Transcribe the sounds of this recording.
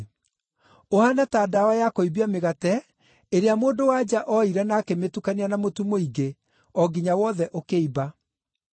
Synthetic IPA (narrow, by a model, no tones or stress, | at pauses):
ohanataːdawajakoibiameɣatɛ | eɾeamoːndowad͡ʑaʔɔiɾɛnaːkemetukanianamotumoiɡe | ɔɡiɲawɔðɛʔokeiba